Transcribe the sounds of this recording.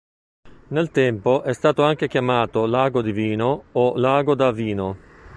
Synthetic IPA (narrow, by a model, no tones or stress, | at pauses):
nelt̪ɛmpoʔɛst̪aːt̪oaŋk̟ek̟jamaːt̪olaːɡod̪iviːnoːlaːɡod̪aviːno